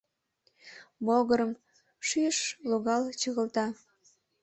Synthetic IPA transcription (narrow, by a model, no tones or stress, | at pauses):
boɣəɾəm | ʃyʃloɣɑlt͡ɕəɣəlt̪ɑ